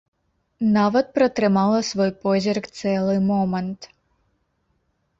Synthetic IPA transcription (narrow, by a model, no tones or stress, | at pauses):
nɑʋɐt̪̚pɾɐt̪ɾɪmɑlˠɐsʋɔjpɔzʲirkt̪sɛlˠɨmɔmɐnt̪